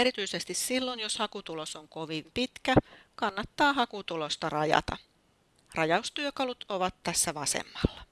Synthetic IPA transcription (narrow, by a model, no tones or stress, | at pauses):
eɾit̪yisest̪issilːo̞njoshɑkut̪ulosoŋko̞ʋimpit̪kækɑnːɑt̪ːɑːɦɑkut̪ulo̞st̪ɑrɑjɑ̰t̪ɑ̰ | rɑjɑust̪yøkɑlut̪oʋɑt̪tæsːæʋɑsḛmːɑlːɑ